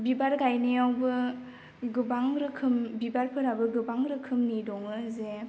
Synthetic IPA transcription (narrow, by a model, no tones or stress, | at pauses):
bibaɾɡajnejawbɯ | ɡɯbaŋɾɯkʰɯmbibaɾpʰɯɾabɯɡɯbaŋɾɯkʰɯmnidɔŋɯze